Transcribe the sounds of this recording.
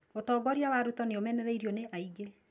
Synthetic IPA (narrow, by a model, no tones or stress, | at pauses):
otɔːɡɔɾiawaɾutɔneomɛnɛɾɛiɾjoneʔaiɡe